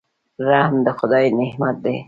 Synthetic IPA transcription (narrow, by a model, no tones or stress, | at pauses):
ɾahmd̪əxʊd̪ɑːjinehmat̪̚d̪ḛ